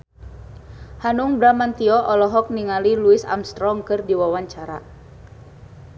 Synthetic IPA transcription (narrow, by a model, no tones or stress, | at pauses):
hanuŋbɾamant̪iɔʔɔlɔɦɔk̚niŋaliluisa̰mst̪ɾɔŋkɨrdiwawaɲt͡ʃaɾa̰